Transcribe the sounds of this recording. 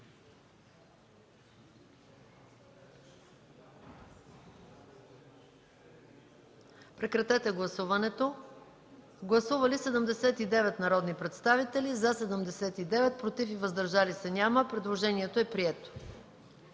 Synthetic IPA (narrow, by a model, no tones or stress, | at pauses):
pɾɛkɾɐt̪ɛt̪ɛɡlˠɐsuvɐnɛt̪o | ɡlˠɐsuvɐlisɛd̪əmd̪ɛsɛt̪id̪ɛvɛt̪nɐɾɔd̪nipɾɛt̪st̪avit̪ɛlizɐsɛd̪əmd̪ɛsɛt̪id̪ɛvɛt̪̚pɾot̪ifivəzd̪ɐɾʒalisɛnʲaməpɾɛd̪lˠoʒɛniɛt̪oɛpɾiɛt̪o̥